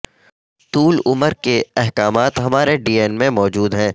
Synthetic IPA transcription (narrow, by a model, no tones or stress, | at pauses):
t̪uːlʊməɾkeɛɦkaːmaːt̪ɦɐmaːɾeɖiːeːnmẽmɔːd͡ʒuːd̪ɦɛ̃ː